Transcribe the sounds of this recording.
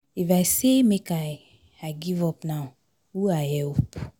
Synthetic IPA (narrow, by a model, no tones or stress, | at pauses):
ifaɪsemekaɪ | aɪɡivɔpnaʊ | huaɪhɛlp